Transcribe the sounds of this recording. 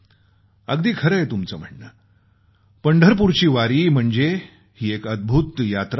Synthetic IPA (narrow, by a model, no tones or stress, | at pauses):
əɡd̪iːkʰəɾəjt̪umt͡səːm̤əɳːə | pəɳɖʱəɾp̬uɾt͡ɕiːʋaɾiːm̤əɳd͡ze | hiːekəd̪̚bʱut̪jat̪ɾ